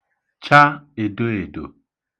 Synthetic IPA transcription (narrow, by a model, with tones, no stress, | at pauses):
t͡ʃa˦e˨do˦e˨do̰˨